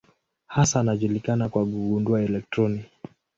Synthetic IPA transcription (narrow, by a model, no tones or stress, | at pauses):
hasaːnaʄulikanakwaɡuɡunduaɛlɛk̚tɾɔni